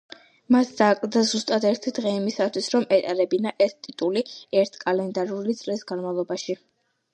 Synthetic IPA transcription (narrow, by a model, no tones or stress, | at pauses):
masd̪akʼld̪azust̪ʼad̪ɛɾt̪ʰid̪ʁɛimisat̪ʰwisɾɔmɛt̪ʼaɾɛbinaʔɛst̪ʼit̪ʼuliɛɾt̪ʰkʼalɛnd̪aɾulit̪sʼlisɡanmavlˠɔbaʃi